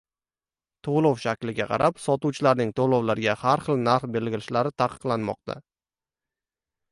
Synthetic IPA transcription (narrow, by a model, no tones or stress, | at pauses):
t̪ʰolˠɒwʃakʲlɪɡʲaqʰɑ̰ɾʔapsɒt̪uwt͡ʃʰɪlaɾnɪŋt̪ʰolˠowlaɾɡʲahaɾχɨlˠnaɾχbe̞lɡʲɪlɪʃlaɾɪt̪ʰaqʰɨ̥qlˠanmɒ̰q̚t̪ʰa̰